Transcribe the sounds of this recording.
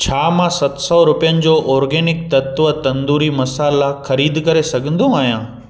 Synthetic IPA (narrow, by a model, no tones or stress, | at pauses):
t͡ɕʰaːmãsɐt̪sɔɾʊpijənɪ̆d͡ʑoːʔɔːɾɡeːnɪk̚t̪ɐt̪ʋət̪ɐ̃nd̪uːɾimɐsaːlaxɐɾiːd̪kɐɾesɐɡʱə̃nd̪õaːɦijãː